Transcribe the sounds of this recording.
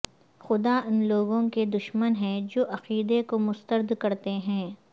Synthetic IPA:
xʊd̪aʊnloːɡõked̪ʊʃmənɦɛ̃d͡ʒoːʔɐqiːd̪ekomʊst̪əɾd̪kɐɾt̪eɦɛ̃ː

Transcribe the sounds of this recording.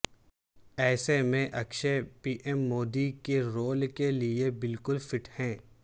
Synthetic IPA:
ɛːsemẽʔɐkʃepiːʔɛmːoːd̪ikeɾoːlkeliebɪlkʊlfɪʈʰhɛ̃ː

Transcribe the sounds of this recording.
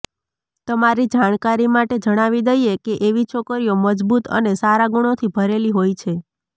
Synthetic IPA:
t̪əmaɾid͡ʒaɽ̃kaɾimaʈed͡ʒəɽ̃aʋid̪əjekeʔeʋit͡ʃʰokəɾijoməd͡ʒbut̪ə̰nesaɾaɡuɽ̃ot̪ʰibʱəɾeliɦojt͡ʃʰe

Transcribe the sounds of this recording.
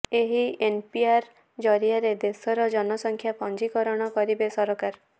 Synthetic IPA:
eɦienpiaɾ | d͡ʒɔɾiaɾed̪esɔɾɔd͡ʒɔnɔsɔŋkʰjapɔnd͡ʒikɔɾɔɽ̃ɔkɔɾibesɔɾɔkaɾ

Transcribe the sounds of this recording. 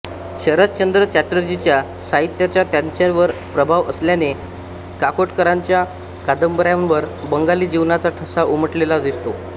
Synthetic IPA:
ɕəɾət̪̚t͡ɕənd̪ɾət͡ɕæʈəɾd͡ʑit͡ɕja | saɦit̪jat͡ɕjat̪jãɲt͡ɕaʋəɾpɾəbʱaʋəsljane | kakoʈkəɾaɲt͡ɕja | kad̪əmbəɾjãnʋəɾbəŋɡaliːd͡ʑiʋnat͡saʈʰəsaʔuməʈlelad̪ist̪o

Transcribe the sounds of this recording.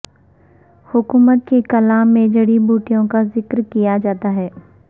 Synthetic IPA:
hʊkuːmət̪̚kekɐlaːmːẽd͡ʒɐɽibʱuːʈijõkazɪkɾkijad͡ʒaːt̪aɦɛː

